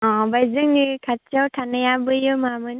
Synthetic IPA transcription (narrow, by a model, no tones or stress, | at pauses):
ɔ̃bajzɯŋikʰat͡ʃʰawʈʰanɯjabɯjɯmamɯn